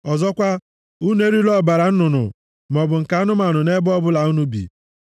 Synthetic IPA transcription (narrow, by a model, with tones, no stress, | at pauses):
ɔ˨zɔ˦kʷa˦ | u˦n˦e˦ɾi˦lɔ˦˨ba˨ɾa˨n̩˦nʊ˨nʊ̰˨ | mɔ˨bʊ˨ŋ̩˨ka˨˦nʊ˦ma˨nʊ˨ne˦bɔ˦bʊ˦la˨u˦nu˦bḭ˨